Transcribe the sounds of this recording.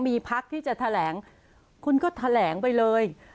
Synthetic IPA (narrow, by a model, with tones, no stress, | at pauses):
miː˧pʰa˦˥k̚t̪ʰiː˥˩t͡ɕa˨˩t̪ʰa˧lɛː˩˦ŋ | kʰu˧nkɔː˥˩t̪ʰa˧lɛː˩˦ŋpa˧jlɤː˧j